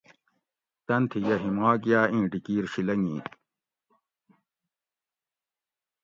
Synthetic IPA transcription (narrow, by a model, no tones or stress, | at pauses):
t̪ɐnt̪ʰijɐɦimaːɡjaːĩːɖikiːɾɕilɐŋĩː